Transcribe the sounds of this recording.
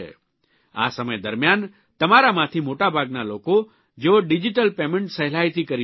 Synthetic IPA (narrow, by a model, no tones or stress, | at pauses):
ḛ | a̰səməjd̪əɾmjan | t̪əmaɾamãt̪ʰimoʈabʱaɡnaloko | d͡ʒeoɖid͡ʒiʈəlpemẽɳʈsəɦlait̪ʰikəɾi